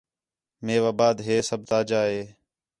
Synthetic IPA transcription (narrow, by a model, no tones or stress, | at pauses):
meːʋaːbaːd̪ɦeːsəb̚t̪aːd͡ʒaːɦeː